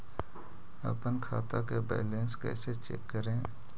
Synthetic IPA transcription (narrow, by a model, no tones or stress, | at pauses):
ə̰pənkʰaːt̪akebɛ̰ːlẽːnskɛ̰ːset͡ʃɛ̰kːəɾẽː